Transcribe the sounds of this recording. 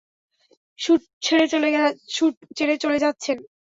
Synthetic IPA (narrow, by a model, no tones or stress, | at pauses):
ʃuʈ | t͡ɕʰeɾeoleʃuʈ̚t͡ɕʰeɾet͡ɕoled͡ʑatːɕʰen